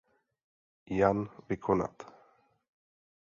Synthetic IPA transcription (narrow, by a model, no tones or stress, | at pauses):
janvɪkʰona̰t̪